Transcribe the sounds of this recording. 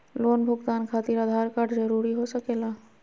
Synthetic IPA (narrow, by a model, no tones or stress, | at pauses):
loːnbʱʊɡt̪aːnkʰaːt̪iɾad̪ʱaːɾkaʈzəɾuːɾiɦosəkeːlaː